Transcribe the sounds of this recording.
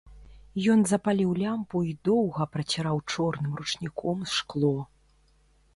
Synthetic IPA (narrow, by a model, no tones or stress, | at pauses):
jɔnzɐpalʲiwlʲampuid̪ɔwɣɐpɾɐt͡sʲɛɾawt͡ʂɔrnɨmrut͡ʂnʲikʰɔmsʂklˠɔ